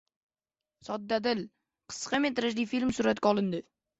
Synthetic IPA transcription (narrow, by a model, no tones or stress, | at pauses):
sɒd̪ːad̪ɪl | qʰɨ̥sqɑmet̪ɾaʃlifilmsʊɾat̪kʲɒlˠɪnd̪ɪ